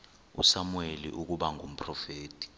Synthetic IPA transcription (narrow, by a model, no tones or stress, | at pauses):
ṵsamuwelḭʔuk̬uɓaŋʱum̩pʰʼrɔfeːtʰʼi̥